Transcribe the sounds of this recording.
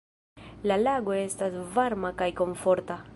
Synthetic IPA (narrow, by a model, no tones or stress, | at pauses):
lalaɡwest̪asvaɾmakajkoɱfoɾt̪a